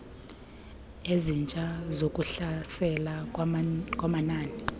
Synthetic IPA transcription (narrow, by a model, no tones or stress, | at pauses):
ezint͡ʃʼazokʼuɬasɛla | kʼwamanaːni